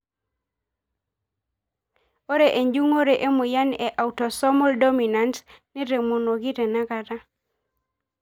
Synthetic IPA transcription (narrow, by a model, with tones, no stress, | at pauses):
o˦ɾe˨ʔe˨ɲd͡ʒu˦ŋo˦ɾe˨ʔe˦mʊ˨ja˦ne˨ʔa˨u˨tɔ˨sɔ˦mɔ˦ldɔ˦mi˨na˨ntnɛ˦ɾe˨mo˨no˨ɡɪ˦te˨na˦ka˨ta˦